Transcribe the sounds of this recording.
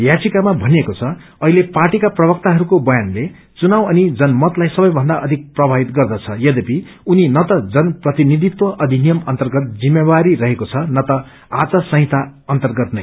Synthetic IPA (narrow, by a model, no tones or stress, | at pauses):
jat͡sikamabʱʌnekot͡sʰʌ | ʌɦileparʈikaprʌbʌk̚t̪aɦʌɾukobʌjanle | t͡sunawʌnid͡zʌnmʌt̪lajsʌbʌjbʱʌnd̪aʌd̪ʱik̚prʌbʱabit̪ɡʌrd̪ʌt͡sʰʌjʌd̪epi | uninʌt̪ʌd͡zʌnprʌt̪inid̪ʱit̪wʌʔʌd̪ʱinijʌmʌnt̪ʌrɡʌt̪̚d͡zimːebaɾiɾʌɦekot͡sʰʌnʌt̪ʌ | at͡sʌsʌ̃ɦĩt̪ʰaʌnt̪ʌrɡʌt̪nʌj